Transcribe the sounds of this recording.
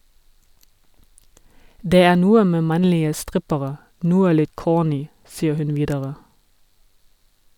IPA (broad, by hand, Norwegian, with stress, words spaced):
ˈdeː ˈæː ˈnuːə ˈmeː ˈmɑnlɪə ˈstʁɪpəʁə ˈnuːə ˈlɪt ˈkoːˌnyː ˈsiːə ˈhʉn ˈʋiːdəʁə